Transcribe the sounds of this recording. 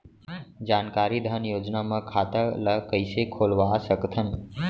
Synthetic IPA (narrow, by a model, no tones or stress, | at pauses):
d͡ʒaːnkaːɾid̪ʱənjoːd͡ʒnamãkʰaːt̪ələkəɪsekʰoːlʋasəkt̪ʰən